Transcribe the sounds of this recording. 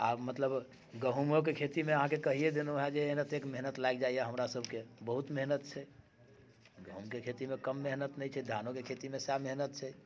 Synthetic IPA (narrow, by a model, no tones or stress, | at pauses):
a̰mət̪ləb | ɡəɦumok̬ekʰet̪imeəɦãkekəɦijed̪enoɦɛd͡ʒenət̪ekmeɦnət̪lajɡd͡ʒaijaɦəmɾasəbʱkebəɦut̪meɦnət̪̚t͡ʃʰɛ | ɡəɦumkekʰet̪imekəmːeɦnət̪nɛjt͡ʃʰɛd̪ʱanokekʰet̪imesjameɦnət̪̚t͡ʃʰɛ